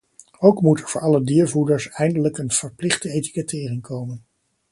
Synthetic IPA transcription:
owkmutɛɹvʊːɹɑlədiːɹvudəɹsɛjndələkənv̥əɹplɪχdəejti̥kətɪːrɪŋkʰowmən

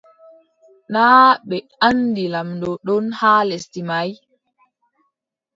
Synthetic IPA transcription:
naːɓɛ | andilamdɔɗɔnhaːlestimaj

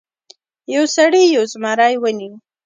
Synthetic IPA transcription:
jawsaɽijawzmɑɾajwəni

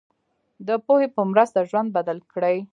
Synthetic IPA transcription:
d̪əpohepəmɾəst̪aʒwand̪̚bad̪alkɽəj

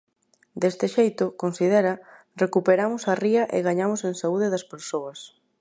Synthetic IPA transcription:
d̪est̪ɪʃejt̪ʊkonsiðɛɾɐ | rekupeɾamʊsariɐʔḛɣaɲamʊseŋsauðɪðɐspeɾsoɐs

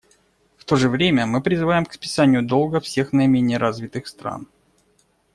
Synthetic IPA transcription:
ft̪o̞ʐɨvɾʲemʲəmɨpɾʲɪzɨvajɪmkspʲɪ̥sanʲɪjʊd̪o̞lˠɡəfsʲexnəɪmʲenʲɪəɾʔazvʲɪt̪ɨxst̪ɾa̰n

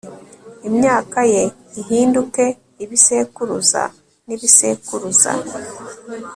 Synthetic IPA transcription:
imɲaːkaje | iɦiːnduke̞ | iβise̞kuɾuza̰ | niβise̞kuɾuza̰

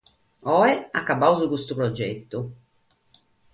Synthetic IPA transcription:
ɔːɛakːabːawzukust̪upɾɔd͡ʒːḛt̪ːu

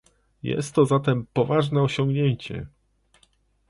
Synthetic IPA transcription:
jɛ̰st̪ːɔzat̪ɛmpɔvaʐnɛɔɕɔŋɡɲeɲt͡ɕɛ̰

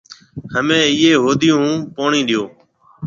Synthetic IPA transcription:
həmẽːɪːeːɦoːd̪ɪjũːpoːɳĩːɗɪjoː

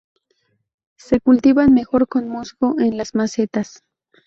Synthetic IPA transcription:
se̞kult̪iβanmexoɾkonmosɡoʔenlasmaset̪as

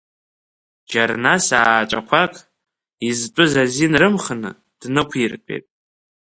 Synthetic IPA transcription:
d͡ʒarnasaːt͡ʃʼa̰kʷʰakʼ | izt͡pʷʼɨzazinrɨmχənɨ̰ | d̥nɨkʷʰirkʼḛtʼ

